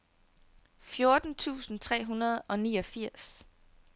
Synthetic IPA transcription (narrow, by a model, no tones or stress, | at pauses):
fjo̝ɐd̥n̩t͡sʰṵːsn̩t͡sʰʁɛ̰ːɦunɐð̞̩ˠɒ̽niːɒ̽fiɐ̰s